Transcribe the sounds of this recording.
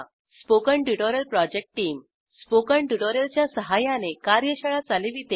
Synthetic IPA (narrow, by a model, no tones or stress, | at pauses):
spokəɳʈuʈoɾjəlpɾɔd͡ʑek̚ʈʈiːm | spokəɳʈuʈoɾjəlt͡ɕjasəɦajãnekaɾjəɕəɭat͡saleʋit̪e